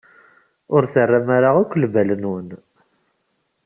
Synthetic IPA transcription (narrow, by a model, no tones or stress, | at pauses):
ʊɾθərːamaɾaʁʊkʷːlvælənwən